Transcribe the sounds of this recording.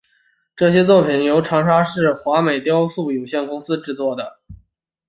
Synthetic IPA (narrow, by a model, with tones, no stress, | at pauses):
ʈ͡ʂɤ˥˩ɕ̬jɛ˥t͡swɔ˥˩pʰi˨˩njo˧˥ʊʈ͡ʂʰɑ˧˥ŋʂa˥ʂɻ̩˥˩xwa˧˥me˨˩ɪt̪jɑ˥ʊsu˥˩jo˨˩ʊɕjɛ˥˩nkʊ˥ŋsɹ̩˥ʈ͡ʂɻ̩˥˧t͡swɔ˥˩d̪ə˩